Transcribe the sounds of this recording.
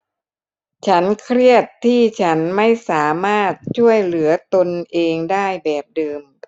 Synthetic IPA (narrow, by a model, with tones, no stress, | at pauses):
t͡ɕʰa˦˥nkʰɾi˥˩ət̪ʰːiː˥˩t͡ɕʰa˦˥nma˥˩jsaː˩˦maː˥˩t̪̚t͡ɕʰu˥˩əjlɯ˩˦ɐt̪o˧nʔeː˧ŋdaː˥˩jbɛː˨˩p̚dɤː˧m